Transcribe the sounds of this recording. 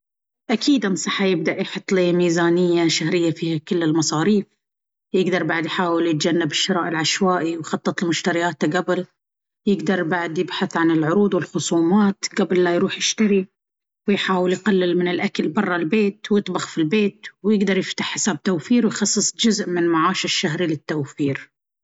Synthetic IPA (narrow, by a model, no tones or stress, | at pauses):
ʔakʰiːd̪ʔansˤɑħːajɪb̚d̪aʔjħɑt̪ˤːliːmiːzaːnɪjːaʃahɾɪjːafiːhakɪlːɪlmɑsˤɑːɾiːf | jɪɡd̪ɑɾˤbaʕd̪jħaːwɪljɪt̪̚d͡ʒanːabɪʃːɪɾˤɑːʔɪlʕaʃwaːʔiwjxɑt̪ˤːɨt̪ˤlmʊʃt̪aɾɪjaːt̪aɡabɪl | jɪɡd̪ɑɾˤbaʕd̪jɪbħaθʕanɪlʕʊɾuːd̪wɪlxʊsˤuːmaːt̪ɡabɪlːajɾuːħjɪʃt̪aɾi | wjħaːwɪljqalːɪlmɪnɪlʔakalbɑrˤːɑlbeːt̪wjɨt̪ˤbɑxfilbeːt̪wjɪɡd̪ɑɾˤjɪft̪ḁħːɪ̥saːb̚t̪awfiːɾwjxɑsˤːɨsˤd͡ʒʊzʔmɪnmaʕaːʃaʃːaɦɾilɪt̪ːawfiːɾ